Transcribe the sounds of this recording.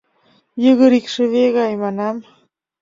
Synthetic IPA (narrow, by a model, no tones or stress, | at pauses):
jəɣəɾikʂəβeɣajmanam